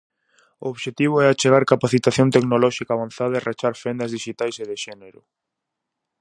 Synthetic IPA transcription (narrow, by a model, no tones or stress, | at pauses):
ʊoβʃet̪iβ̞ʊɛat͡ʃeɣaɾkapaθit̪aθjont̪eknolɔʃikaβãnθaðaerat͡ʃaɾfɛnd̪ɐzðiʃit̪ajseðɪʃɛneɾʊ